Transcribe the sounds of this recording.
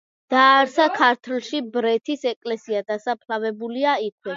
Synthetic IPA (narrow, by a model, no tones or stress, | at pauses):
d̪̥aːɾsakʰaɾt̪ʰlˠʃibɾɛt̪ʰisɛkʼlɛsiad̪asapʰlavɛbuliaikʰwɛ